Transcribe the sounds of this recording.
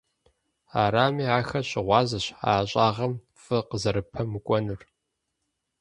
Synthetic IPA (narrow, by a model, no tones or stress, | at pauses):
aːɾaːmiːaːxɐɕʼɪʁʷɑːzɐɕa̰ːɕʼaːʁɐm | fɨqəzɐɾɨpʰɐmɨkʷʼɔnɨr